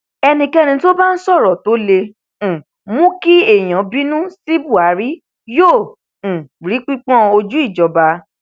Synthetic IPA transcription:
ɛ˧nĩ˧kɛ˦nĩ˧to˦ba˦n̩˦sɔ˦˨ɾɔ˨to˦lẽ˧˨ | mũ˦ki˦e˦˨j̃ã˨˦bi˦nũ˦si˦bu˦˨a˨˦ɾi˦ | jõ˦˨ | ɾi˨˦k͡pi˦k͡pɔ̃˦o˧d͡ʒu˦i˦˨d͡ʒɔ˧ba˧

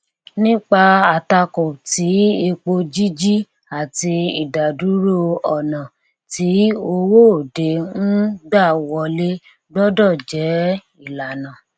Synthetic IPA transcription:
nĩ˦k͡pa˧a˨ta˧kɔ̃˨ti˨˦e˧k͡po˧d͡ʒi˦d͡ʒi˦ | a˨ti˧i˨da˨du˨˦ɾo˦ɔ˨nã˨ | ti˨˦o˧wo˦˨de˧ñ̩˦ɡ͡ba˦˨wɔ˧˦le˦ | ɡ͡bɔ˦dɔ˦˨d͡ʒɛ˨˦ | i˦˨la˨nã˨

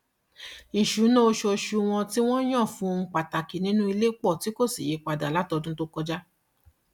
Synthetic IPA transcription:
i˨ʃu˨˦nɔ̃˦o˧ʃo˧˨ʃu˨˧w̃ɔ̃˧ti˦w̃ɔ̃˦j̃ɔ̃˦˨fũ˧˦˧k͡pa˨ta˨ki˨nĩ˨˦nũ˦i˧le˦k͡pɔ˦˨ti˨˦ko˦˨sḭ˨je˨˦k͡pa˧da˨la˨˦tɔ˧dũ˦to˦kɔ˧d͡ʒa˦

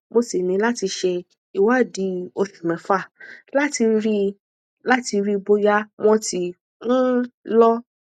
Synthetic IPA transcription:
mo˧si˨mĩ˨˧˦la˦ti˧ʃɛ˧ | i˨wa˦˨di˧˦o˧si˨mɛ̃˨fa˦˨la˦ti˧ɾi˦˧ | la˦ti˧ɾi˦˧bo˧ja˦mɔ̃˧ti˨ | n̩˦lɔ˦

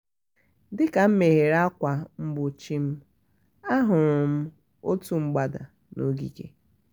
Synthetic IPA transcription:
dɪ˦ka˨m̩˦me˨ɦe˨ɾa˦kʷa˨m̩˦bʊ˨t͡ʃi˦m̩˦ | a˦ɦʊ˨ɾʊ˨m̩˦ | o˦tu˦ŋ͡m̩˦ɡ͡ba˨da̰˨ | no̰˦ɡḭ˨kḛ˨

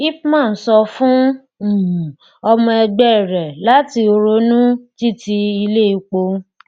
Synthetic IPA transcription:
i˦pmãː˦˨n̩˨˦sɔ˧fũ˦˨ | ɔ˧mɔ̃˧ɛ˧ɡ͡bɛ˦˨ɾɛ˨la˨˦ti˧o˧ɾo˧˦nũ˦ti˦ti˧i˧le˦i˧k͡po˧˦

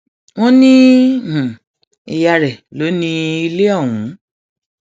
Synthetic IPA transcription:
w̃ɔ̃˦nĩ˦˨ | i˧˨ja˨˧ɾɛ˨lo˨˦nĩ˦i˧le˦ɔ˦˨w̃ũ˨˦

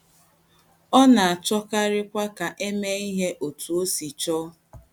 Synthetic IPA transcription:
ɔ˦na˨a˨t͡ʃɔ˦ka˦ɾɪ˦kʷa˦ka˨ʔe˦me˦i˦ɦe˦ʔo˨tu˨o˦si˨t͡ʃɔ˦

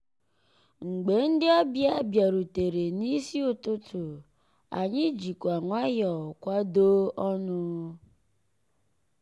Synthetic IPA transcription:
ŋ͡m̩˨ɡ͡be˨n̩˦dɪ˦ɔ˦bja˦bja˨ɾu˨te˨ɾe˨ni˦si˦ʊ˦tʊ˦tʊ˨ | a̰˨ɲɪ˦d͡ʒi˨kʷa˨ŋʷa˦jɔ˨kʷa˦doː˦ʔɔ˦nʊ˦

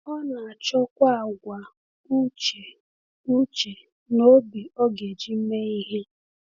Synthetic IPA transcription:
ɔ˦na˨a˨t͡ʃɔ˦kʷa˦˨ɡʷa˨ | u˦t͡ʃe˨ | u˦t͡ʃe˨ | no˦bi˨ɔ˦ɡe˨d͡ʒi˦m̩˦me˦i˦ɦe˦

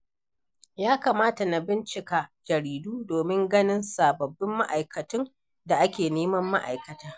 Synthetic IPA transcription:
jaː˦kaː˨maː˦ta˨na˨bɪ˦nt͡ʃɪ˨kaː˨d͡ʒɐ˨ɾiː˨duː˦doː˨mɪ˦ŋɡɐ˦nɪ˦nsaː˨bɐ˨bːɪ˦mːa˦ʔa˨jkɐ˨tʊ˦n | da˨ʔa˦kʲeː˨neː˦mɐ˦mːa˦ʔa̰˨jkɐ˨taː˦

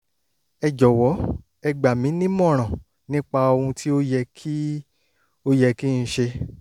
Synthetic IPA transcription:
ɛ˧d͡ʒɔ˨wɔ˨˦ | ɛ˧ɡ͡ba˨mĩ˨˦nĩ˦mɔ̃˦˨ɾ̃ã˨ | nĩ˦k͡pa˧o˧hũ˧tʰi˦o˦jɛ˧kʰi˦ | o˦jɛ˧ki˦ñ̩˧ʃe˧

